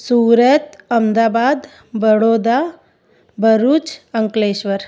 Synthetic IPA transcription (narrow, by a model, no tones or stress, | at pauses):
suːɾət̪ɐmd̪aːbaːd̪ | bəɽoːd̪a | bʱəɾut͡ʃəŋkleːʃʋəɾ